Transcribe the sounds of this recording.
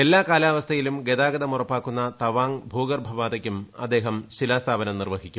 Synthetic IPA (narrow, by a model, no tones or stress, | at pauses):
e̞lːaːkaːlaːʋɐst̪ʰɐjilumɡe̞d̪aːɡɐd̪ɐmurɐpːaːkːunːɐt̪ɐʋaːŋbʱuːɡɐrbʱɐʋaːd̪ɐkʲːumɐd̪ːe̞ːɦɐmɕilaːst̪ʰaːbɐnɐmnirʋɐɦikʲːu